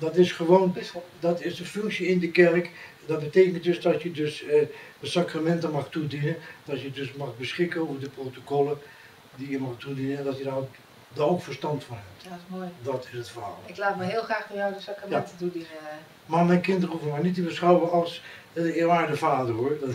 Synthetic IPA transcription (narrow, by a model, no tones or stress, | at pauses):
dɔtɪsχəʋowndɔtɪsdəføŋksjəɪndəkɛrk | dɔt̚bəteːkənt̚døsdɔtjədøs | əsakramɛntəmɑxtudinənd̥ɔtjədøsmɑχbəsχɪkənowvərdəprowtokɔlˠə | dijəmɑxtudinəɛndɔtjəda | darowkfərstɑntfɔnɦɛp̚tojdɔtɪsətfərɦa̰ːlˠɪklaːtməɦɪːlˠxraːxfɔjɔwdəsakramjɛntətudinə | maːmɛjnkɪntərufəmɛjnitibəsχawʋəɑlˠs | ɪːɹʋaːrdəfaːdərɦuəd